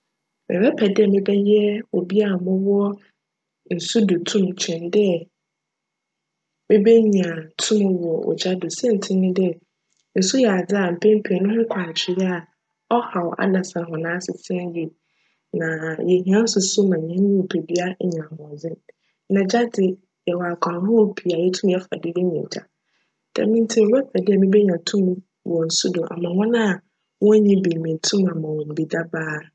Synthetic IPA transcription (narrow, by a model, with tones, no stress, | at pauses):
mɪ̰̃˨bɛ˦pʰɛ˨dɪ˦ɛ˨mɪ̃˦bɛ˦jɛ˦o˨bi˦a˦˨mʊ̃˦wʊ˦ɔ˦ | n̩˨su˦dʊ˨tʰũ˦mt͡ɕʰᶣɛ̃˨n˦dɪ˦ɛ˨ | mɪ̃˦be˦ɲ˨ã˨tʰʊ̃˦mʊ̃˦wʊ˨ɔ˨ʔo̰˨d͡ʑa˦dʊ˨sɛ̃˦n̩˨tʰɪ̃˦nʊ̃˦dɪ˦ɛ˨ | n̩˨su˦jɛ˨a˨d͡zɪ˦a˨m̩˨pʰɛ̃˦m̩˦pʰe˨nʊ̃˦hʊ̃˦kʷʰaː˨t͡ɕʰɪ˨jɛ˦a˨ | ɔ˦ha˨wa̰˦dã˨sã˨ɦɔ̃˨nãː˦sɪ˨tʰɪ˦ɛ̃˦ji˨ | nã˨jɛ˨ɦĩ˨ã˦n˦sʊ˨sʊ˦mã˨ɲ˨ɛ̃˨˦ɪ̃˦˨pʰe˨bi˦a˦˨ɲã˨hʊ̃˨ɔ˨d͡zɪ˦n | nã˨d͡ʑa˦dɪ˨ | jɛ˨wa˨kʷʰã˨hʊ̃˦pʰi˨a˨jɛ˦tʰũ˦m˦ɛ˦fa̰˨dɪ˦jɛ˦ɲḭ̃˨t͡ɕʰa̰˨ | d̥ɛ̰˨mĩ˦n˦tʰi˦˨ɾɛ˦tʰa˨dɪ˦ɛ˨mĩ˦bɛ˦ɲã˨tʰũ˦m | wɔ̃˨n̩˨sʊ˦dʊ˨ʔa̰˨mã˨hɔ̃˦nã˦˨ | wɔ̃˦ɲĩ˦bi˨mĩ˨tʰũ˦mã˨mã˨wɔ̃˨m̩˨bi˨da˦baː˦